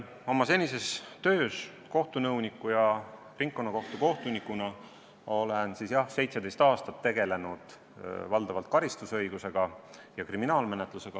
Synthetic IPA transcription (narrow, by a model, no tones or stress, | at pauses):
o̞mɑse̞nʲise̞st̪ø̞ːs | ko̞ht̪unɤwnikːˑujɑ | riŋk̚ːo̞nːɑko̞ht̪uko̞ht̪unikˑːunɑ | o̞le̞nsisjɑhse̞jt̪se̞d̪e̞jst̪ɑːst̪ɑt̪ːe̞ɡ̥e̞le̞nud̪̥ | vɑld̪̥ɑvɑlt̪̚kɑɾist̪usɤ̞jɡ̥use̞ɡ̥ɑjɑkriminɑːlme̞net̪ˑluse̞ɡ̥ɑ